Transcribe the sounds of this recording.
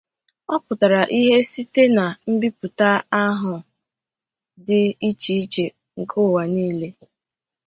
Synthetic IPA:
ɔ˦pʊ˨ta˨ɾa˨ʔi˦ɦe˦si˦te˦na˨m̩˦bi˦pu˨ta˦a˦ɦʊ˨ | dɪ˦i˦t͡ʃi˨i˦t͡ʃe˨ | ŋ̩˨kʰʊ˦˨wa˨niː˦le˦

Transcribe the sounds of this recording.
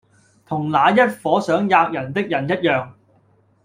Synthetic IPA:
t̪ʰʊ˨˩ŋlaː˨˧jɐ˥t̚fɔː˨˥sœː˨˥ŋjaː˧k̚jɐ˨˩nt̪ɪ˥k̚jɐ˨˩njɐ˥t̚jœː˨˧ŋ

